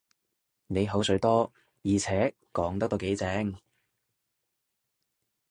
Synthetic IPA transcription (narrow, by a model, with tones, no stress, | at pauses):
ne˨˧jɦo˨˥wsɵ˨˧ɥt̪ɔː˥ | jiː˨t͡sʰɛː˨˥ | kɔː˨˥ŋt̪ɐ˥˧ke˨˥jt͡sɛː˨˥ŋ